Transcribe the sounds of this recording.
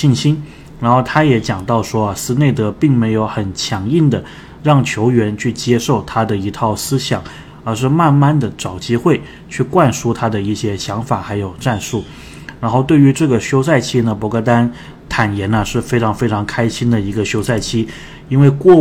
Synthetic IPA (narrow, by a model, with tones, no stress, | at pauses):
i˥˩nɕi˥n | ɻa˧˥nxo˥˧ʊt̪ʰa˥jɛ˧˥t͡ɕjɑ˨˩ŋt̪ɑ˥˩ʊʂwɔ˥ɐ˨sɹ̩˥ne˥˩ɪt̪ɤ˧˥pi˥˩ŋme˧˥ɪjo˧˥ʊxə˨˩nt͡ɕʰjɑ˧˥ŋi˥˩nd̪ə˩ | ɻɑ˥˩ŋt͡ɕʰjo˧˥ʊɥɛ˧˥nt͡ɕʰy˥˩t͡ɕjɛ˥ʂo˥˩ʊt̪ʰa˥d̪ə˨i˧˥t̪ʰɑ˥˩ʊsɹ̩˥ɕjɑ˨˩˦ŋ | ə˞˧˥ʂ̬ɻ̩˥˧ma˥˧nma˥˩nd̪ə˩ʈ͡ʂɑ˨˩ʊt͡ɕi˥xwe˥˩ɪ | t͡ɕʰy˥˧kwa˥˩nʂu˥t̪ʰa˥d̪ə˨i˥˩ɕjɛ˥ɕjɑ˧˥ŋfa˨˩xa˧˥ɪjo˨˩ʊʈ͡ʂa˥˧nʂu˥˩ | ɻa˧˥nxo˥˧ʊt̪we˥˩ɪy˧˥ʈ͡ʂɤ˥˩ɡə˩ɕjo˥ʊsa˥˩ɪt͡ɕʰi˥nə˨pwɔ˧˥kɤ˥t̪̬a˥n | t̪ʰa˨˩njɛ˧˥nə˧ʂɻ̩˥˩fe˥ɪʈ͡ʂʰɑ˧˥ŋfe˥ɪʈ͡ʂʰɑ˧˥ŋkʰa˥ɪɕi˥nd̪ə˨i˧˥ɡə˧ɕjo˥ʊsa˥˩ɪt͡ɕʰi˥ | i˥nwe˥˧ɪkwɔ˥˧